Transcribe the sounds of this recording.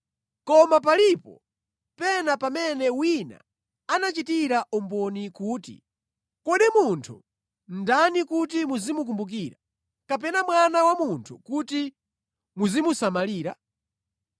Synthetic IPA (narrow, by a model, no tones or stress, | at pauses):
kɔmap̬alipɔ̰ | pɛnapamɛnɛwina̰ | anat͡ʃitiɾaʔɔmbɔnikuːtḭ | kɔɗimuntʰu | n̩danikut̬imuzimuk̬umbuk̬iːɾa | kap̬ɛnamwanawamuntʰukuti | muzimusamaliːɾa